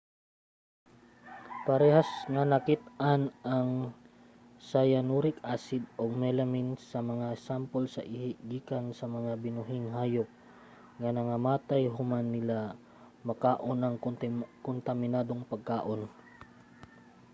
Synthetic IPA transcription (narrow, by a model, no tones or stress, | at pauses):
pɐɾɛhasŋɐnɐkit̪anʔaŋ | sajanuɾɪkʔaːsɪd̪̚ʔoɡ̚mɛlɐmɪnsɐmɐŋasampolsɐ̰ʔɪhɪʔɡiːkansɐmɐŋabɪnʊɦɪŋɦaːjok̚ | ŋanɐŋɐmaːt̪ajɦʊmanːɪla | mɐkaːʔonɐŋkʊnt̪ɐmɪnaːd̪oŋpɐɡ̚kaːʔo̞n